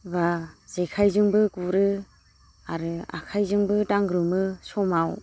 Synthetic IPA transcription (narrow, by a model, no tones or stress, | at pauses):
baz̥ekʰajzɯŋbɯɡuɾɯ | aɾɯa̰kʰajzɯŋbɯdaŋɡɾɯmɯsɔmaw